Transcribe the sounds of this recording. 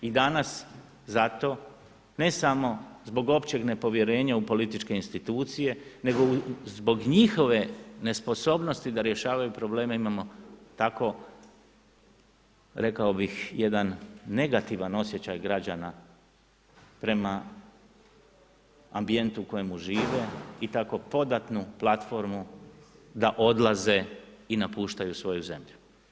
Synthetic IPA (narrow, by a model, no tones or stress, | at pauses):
id̪anas | zat̪o̞ | ne̞samo̞zbo̞ɡo̞pt͡ɕe̞ɡne̞po̞ʋje̞ɾe̞ːɲaupo̞lit̪it͡ʃke̞inst̪it̪uːt̪sije̞ne̞ɡo̞zbo̞ɡɲixo̞ʋe̞ne̞spo̞so̞bno̞st̪id̪aɾje̞ʃaːʋajupɾo̞ble̞ːmaimamo̞t̪ako̞ | ɾe̞kaobixje̞d̪anːe̞ɡat̪iʋano̞sje̞t͡ɕajɡɾad͡ʑana | pɾe̞ma | ambie̞nt̪uko̞jemuʒiːʋe̞it̪ako̞po̞d̪at̪nuplˠat̪fo̞ɾmu | d̪aʔo̞d̪lˠaze̞inapuːʃt̪ajusʋo̞juze̞̰mʎu